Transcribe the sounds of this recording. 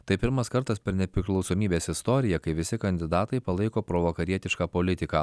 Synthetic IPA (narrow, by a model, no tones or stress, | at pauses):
t̪ɐɪpʲɪɾmɐskɐɾt̪ɐspʲɛɾnʲɛpʲɾʲɪklˠɒʊsoːmʲiːbʲeːsɪst̪ɔɾʲɪjɛkɐɪʋʲɪsʲɪkɐnʲd̪ʲɪd̪ɑːt̪ɐɪpɐlˠɐɪkoːpɾoːʋokɐɾʲiɛt̪ʲɪʃkɑːpolʲɪt̪ʲɪkaː